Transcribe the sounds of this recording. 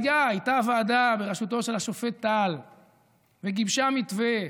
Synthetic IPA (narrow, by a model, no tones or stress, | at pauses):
jaajt̪aːvaːd̪abeʁeʃut̪o̞ʃe̞laʃofet̪ːal | veɡibʃamit̪ve